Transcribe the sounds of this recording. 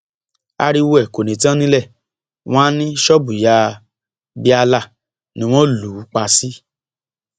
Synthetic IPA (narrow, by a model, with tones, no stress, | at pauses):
a̰˧ɾi˧wo˧ɛ˨ko˨nĩ˨tã˦nĩ˦lɛ˦˨ | w̃ɔ̃˦a˦nĩ˦ʃɔ˦bu˨ja˧˦ | bi˦a˧la˦˨ | nĩ˦w̃ɔ̃˦lu˨˦k͡pa˧si˦